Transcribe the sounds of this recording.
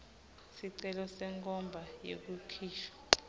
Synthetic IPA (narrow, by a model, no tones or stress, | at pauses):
siǀɛlɔsɛŋkʼɔmbʱajḛk̬ukʰiːʃɔ̥